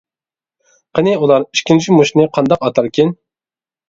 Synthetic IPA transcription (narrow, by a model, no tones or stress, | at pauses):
qʰənɪulˠɑɾiʃkʲint͡ʃʰimuʃnɨqʰɑnd̪ɑqɑt̪ʰɑɾkʲʰin